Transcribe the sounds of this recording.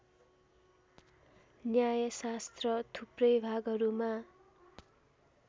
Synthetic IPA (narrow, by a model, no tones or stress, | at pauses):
njajʌsast̪rʌt̪ʰuprʌjbʱaɡʌɾuma